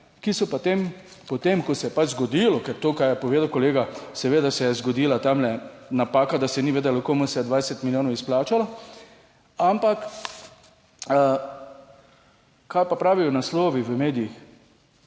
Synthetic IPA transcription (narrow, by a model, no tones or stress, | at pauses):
kisɔpat̪em | pɔt̪emkɔsɛjɛpad͡ʒzɡɔd̪ilɔkɛɾt̪oːkajɛpɔʋeːd̪awkoleːɡasɛʋeːd̪asɛjɛzɡɔd̪iːlat̪amlɛnapaːkad̪asɛniʋeːd̪ɛlokoːmusɛd̪ʋaːjsɛt̪miljoːnɔwisplaːt͡ʃala | ampak | ə | kajpapɾaːʋijɔnasloːʋiʋəmeːd̪ijix